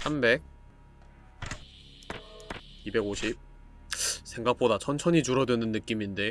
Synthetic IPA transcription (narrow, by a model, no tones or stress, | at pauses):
sambe̞k̚ | ibe̞ɡoɕʰip̚ | sʰe̞ŋɡak̚p͈odat͡ɕʰʌnt͡ɕʰʌɲid͡ʑuɾʌdwenɯnːɯk͈iminde̞